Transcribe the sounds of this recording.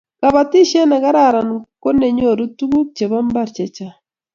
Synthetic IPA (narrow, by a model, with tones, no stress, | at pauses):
ka˨βa˨ti˦ʃa˦na˨ɡa˦ɾa˦˨ɾa˨n˨ko˦ne˨ɲo˦˨ɾu˦tu˦ɡu˦k̚t͡ʃe˨βa˦m˦ba˦ɾt͡ʃɛ˨t͡ʃa˨